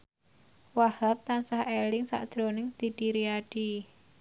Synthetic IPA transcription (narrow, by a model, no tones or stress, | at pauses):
wahap̚t̪ansahelɪŋsa̰ʔd̥ʒ̥ɾonɪŋd̪̥i̤d̥iɾiaɖ̥i